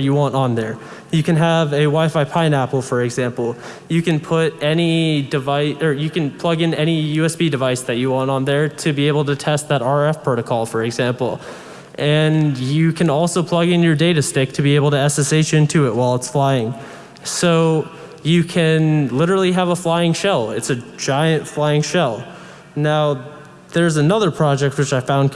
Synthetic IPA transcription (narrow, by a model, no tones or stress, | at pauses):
jɨwɑ̃ntn̩ðə˞ | jɨkɨ̃nəvɨwaɪfaɪpʰãɪ̃næpl̩ˠfə˞ɨɡzæ̃mpl̩ˠ | jɨkɨ̃npʰʊɾɛnidɨvaɪə˞jɨkɨ̃npʰl̥ʌɡɨ̃nɛñijʉɛsb̥idɨvaɪsðɨt͡ʃɨwɑ̃ntn̩ðə˞ɾɨbieɪbl̩ˠtɨtʰɛst̪̚ðəɾɑɹɛfpʰɹ̥oʊɾɨkʰɔlˠfə˞ɨɡzæ̃mpl̩ˠ | ʔɨ̃njɨkʰɨ̃nɔlˠsoʊpʰl̥ʌɡɨ̃njə˞deɪɾɨstɪk̚tʰɨbieɪbl̩ˠtɨæsɨseɪt͡ʃɪ̃ntʰʉɪʔ̚waɪlˠətsflaɪɪ̃ŋ | soʊ | jɨkʰɨ̃nlɪɾə˞l̩ˠiəvəflaɪɪ̃ŋʃɛlˠɪtsɨd͡ʒaɪɨ̃ntflaɪɪ̃ŋʃɛlˠ | naʊ | ðə˞zɨnʌðə˞pʰɹ̥ɑd͡ʒɛk̚t̚wɨt͡ʃaɪfãʊ̃n